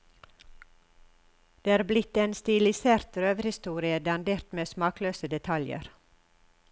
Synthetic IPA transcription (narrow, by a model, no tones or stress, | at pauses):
d̪̥eːɑːɾblɪt̪eːnst̪ɪlɪseːɾt̪ɾøːʋəɾhɪst̪uːɾɪəd̪ɑnd̪eːɾt̪meːsmɑːkløːsəd̪ɛt̪ʰɑljə̰ɾ